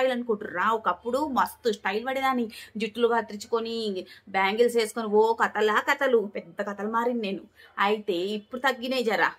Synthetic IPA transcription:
jlɐnukuːɳʈuɾaːwukɐpːuɽumɐst̪usʈɐjlbɐɽid̪aːnːid͡ʒiʈːuluɡaːt̪ɾit͡ʃu̥konibaːŋɡelse̞ːsu̥konioːkɐt̪ɐlaːkɐt̪ɐlupɛd̪ːɐkɐt̪ɐlumaːɾinine̞ːnuɐjit̪e̞ːipːuɽut̪ɐɡːineːd͡ʒaːɾa̰ː

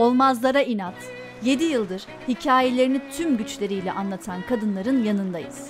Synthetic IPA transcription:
o̞lˠmazlˠaɾainat̪ | je̞d̪ijɯlˠd̪ɯɾ̥ | hicʰaːjelʲe̞ɾinit̪ʰymɟyt͡ʃlʲe̞ɾijlʲɛ̰ʔanlˠat̪ʰankʰad̪ɯnlˠaɾɯnjanɯnd̪ajɯz̥

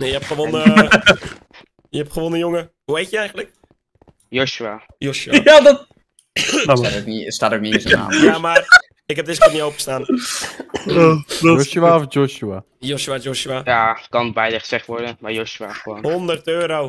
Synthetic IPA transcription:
nejəɛpχəʋonəə | jəhɛpχəʋonəjoŋə | uejtjəɛjɣən̩tlək̚ | joʃua | joʃuaadɔt | dsaːtoknistaːtowk̚nisəna̰ːjama | ɪkɛp̚dɪskɔtniowpəəstaːn | doʃuaɔfd͡ʒɔʃua | joʃuad͡ʒoʃuajakɑnbɛjdəχəsɛχtʋɔɹdəmajoʃua̰xəʋonhondərtøːɾow

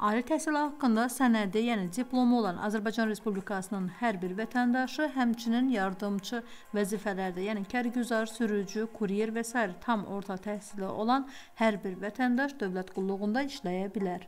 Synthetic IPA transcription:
ɑːlit̪ʰæhsilihɑkːɯnd̪ɑsænæd̪ijæːnid̪iplˠo̞mo̞lˠɑnʔɑ̰zæɾbɑjd͡ʒɑnɾe̞spublikʰɑsɯnɯnhæɾbiɾvæt̪ʰænd̪ɑʃɯɦæmt͡ʃʰininjɑɾd̪ɯmt͡ʃʰɯ | væziːfælæɾd̪æjæːnicʰæɾɟyzɑɾsyɾyd͡ʒykʰuɾijeɾvæsɑːiɾɛt̪ʰɑmo̞ɾt̪ʰɑt̪ʰæhsiliʔo̞lˠɑn | hæɾbiɾvæt̪ʰænd̪ɑʃd̪ø̞vlæt̪ɡ̥ulˠːuɣund̪ɑiʃlæjæbilæɾ

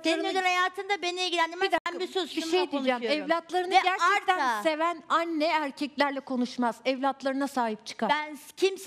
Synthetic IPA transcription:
aɾɯd̪enhajaːt̪ʰɯmd̪abenieɟilʲænd̪imid̪ænbisøzbiʃejd̪ind͡ʒamɛvlʲat̪lˠaɾɯnaɡæɾɛɾt̪ʰænse̞vænanːɛæɾcʰɛclʲæɾlʲɛkʰo̞nuʃmaz̥ɛvlʲat̪lˠaɾɯnasaːɦip̚t͡ʃʰɯ̥kʰaɾbæncʰims

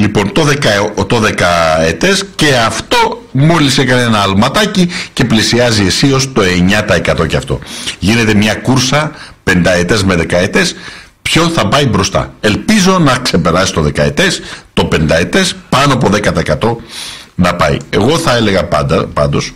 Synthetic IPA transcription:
lipo̞nt̪o̞ðekɐt̪o̞ðe̞kɐet̪e̞sce̞ɐft̪o̞mo̞lisekɐne̞nɐːlmɐt̪ɐcice̞plisiɐzie̞sio̞st̪o̞e̞ɲɐt̪ɐe̞kɐt̪o̞ceɐft̪o̞̰ʝine̞t̪e̞mɲɐkuɾsɐpe̞nd̪ɐe̞t̪e̞zme̞ðe̞kɐet̪e̞s | pço̞θɐpɐibɾo̞st̪ɐ̰e̞lpizo̞nɐkse̞pe̞ɾɐsist̪oðe̞kɐe̞t̪e̞st̪o̞pe̞nd̪ɐe̞t̪e̞spɐnoɐp̬o̞ðe̞kɐt̪ɐekɐt̪o̞nɐpɐḭe̞ɣo̞θɐe̞le̞ɣɐpɐpɐnd̪os

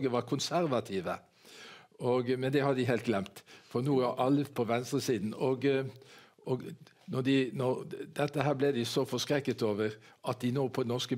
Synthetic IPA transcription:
ɡəʋɑɾkʰʊnsæɾʋɑt̪ʰɪʋə | ɔɡmɛnd̪ɛhɑd̪ɪɦɛlt̪ɡlɛmt̪fɔɾnuːæʔɑlːəpʰɔʋɛnst̪ɾəsiːd̪n̩ɔɡ | ɔɡ | nɔd̪ɪnɔɾd̪̥ɛt̪ːəɦæːblɛd̪ɪsɔfɔskɾɛkːət̪oːʋəɾɑt̪̚d̪ɪnoːpʰɔnɔskə

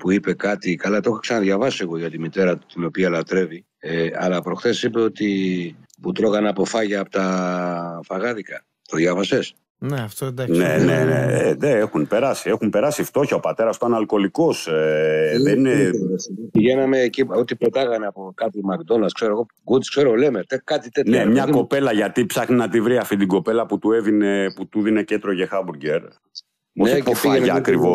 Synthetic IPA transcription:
puipe̞kɐt̪ikɐlɐt̪o̞xoksɐnɐðʝɐvɐsieɣo̞ʝɐt̪imit̪e̞ɾɐt̪ino̞piɐlɐt̪ɾe̞vi | eɐlɐpɾo̞xθe̞sipe̞o̞t̪iput̪ɾo̞ɣɐnɐpo̞fɐʝɐːpot̪ɐ | fɐɣɐðikɐ | t̪oðʝɐvɐse̞s | neɐft̪od̪nenḛnḛeðeexunpe̞ɾɐsiexumpe̞ɾɐsift̪o̞çɐopɐt̪e̞ɾɐst̪oɐnɐlko̞liko̞s | ðenine | piʝenɐmeːciot̪ipet̪ɐɣɐneɐpokɐt̪imɐkd̪o̞nɐskseɾoɣo | ɡud̪skse̞ɾolemet̪ekɐt̪it̪enemɲɐko̞pe̞lɐʝɐt̪ipsɐxninɐt̪ivɾiɐft̪id̪iɡo̞pe̞lɐput̪ue̞vineput̪uðine̞cet̪ɾoʝexɐbuɾɟe̞ɾ | ospofenɐːkɾivo

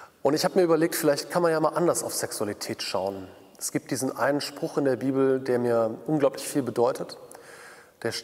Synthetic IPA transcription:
ʔʊntɪçhaːbəmiːɐʔyːbɐleːk̚tfɪlaɪçtkʰanmanjaːmaːlʔandɐsaʊfz̥ɛksualitʰɛːtʃaʊən | ɛsɡ̥iːp̚d̥iːzn̩ʔa̰ɪnənʃpʁ̥ʊχɪndeːɐbiːbl̩deːɐmiːɐʔʊnɡlaʊplɪçfiːlbədɔʏtʰət | d̥eːɐʃ

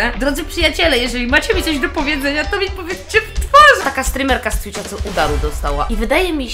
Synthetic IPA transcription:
ɛd̪ɾɔd̪zɘpʂɨjat͡ɕɛlɛjɛʐɛlʲimat͡ɕɛmʲitsɔʑd̪ɔpɔvʲjɛd̪zɛɲat̪ɔmʲipɔvʲjɛt̪t͡ɕɛvt̪fɔʐt̪akast̪ɾɨmɛɾkast̪fʲit͡ʂat̪sɔʔud̪aɾud̪ɔst̪awa̰ʔivɘd̪ajɛmʲi

